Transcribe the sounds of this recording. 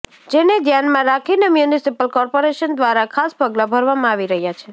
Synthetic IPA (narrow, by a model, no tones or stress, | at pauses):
d͡ʒened̪janmãɾakʰinemjunisipəlkɔɾpoɾeʃənd̪ʋaɾakʰaspəɡlabʱəɾʋamãaʋiɾəɦjat͡ʃʰe